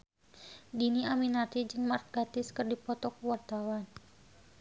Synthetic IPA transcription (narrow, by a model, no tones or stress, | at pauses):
diniaminat̪id͡ʒɨŋmar̚ɡat̪ɪskɨrdipɔt̪ɔkuwart̪awan